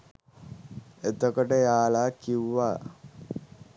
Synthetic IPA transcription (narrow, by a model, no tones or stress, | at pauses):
et̪okoʈəjaːlaːkiwːa